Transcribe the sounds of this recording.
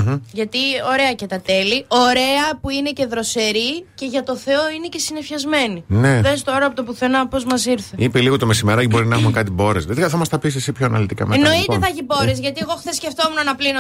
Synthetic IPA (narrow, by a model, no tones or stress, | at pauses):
ʝɐt̪io̞ɾe̞ɐcet̪ɐt̪e̞lio̞ɾe̞ɐpuine̞ce̞ðɾo̞se̞ɾice̞ʝɐt̪o̞θe̞o̞ine̞ce̞sine̞fçɐzme̞nineðest̪o̞ɾɐpot̪opuθenɐpo̞zmɐsiɾθeipeliɣot̪omesimeɾɐcbo̞ɾinɐexumekɐt̪ibo̞ɾesðet̪ikɐθɐmɐst̪ɐpisesipçoɐnɐ̰lit̪ikɐ̰meno̞it̪et̪θɐʝibo̞ɾezʝɐt̪ieɣo̞xθesceft̪o̞munɐnɐplino